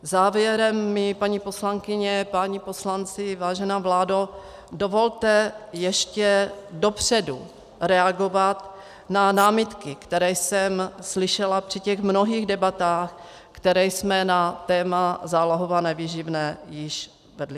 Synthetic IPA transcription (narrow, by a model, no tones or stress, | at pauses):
zaːvjɛɾɛmːɪpaɲiːpo̞slaŋkɪɲɛpaɲipo̞slant͡sɪvaːʒɛnaːvlaːdo | do̞vo̞lt̪ɛjɛʃcɛdo̞pr̝̥ɛdu | ɾɛaɡo̞vat̪ | nanaːmɪt̪kɪkt̪ɛɾɛːjsɛmslɪʃɛlapr̝̥ɪcɛɣmno̞ɦiːɣdɛbat̪aːx | kt̪ɛɾɛjsmɛnat̪ɛːmazaːloɦovanɛviʒɪvnɛːjɪʃ | vɛdlɪ